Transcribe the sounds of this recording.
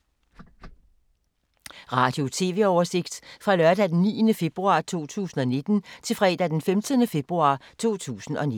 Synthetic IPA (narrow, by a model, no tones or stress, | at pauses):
ʁɑ̈ːd̥jo̝t͡sʰe̝̰ːʋe̝ɒʊɐse̝ɡ̥̚d̥fʁɑ̈lɶɐd̥æd̥enːḭːənəfe̝b̥ʁuɑ̈ːt͡sʰo̝̰ːt͡sʰṵːsn̩ɒ̽ne̝d̥n̩t͡sʰe̝lfʁɛ̰ːd̥æd̥enfemd̥ənəfe̝b̥ʁuɑ̰̈t͡sʰo̝̰ːt͡sʰṵːsn̩ɒ̽n